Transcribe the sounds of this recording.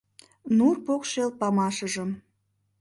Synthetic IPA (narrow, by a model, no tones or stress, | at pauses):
nurpokʃelt̪̚pɑmɑʃəʒəm